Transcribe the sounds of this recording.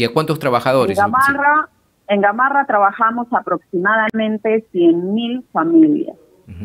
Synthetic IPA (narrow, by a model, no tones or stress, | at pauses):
akwant̪ost̪ɾaβaxaðoɾɾesaara | eŋɡamarat̪ɾaβaxamo̞sapɾo̞ksimaðamẽnt̪e̞sjenmilfamilja̰s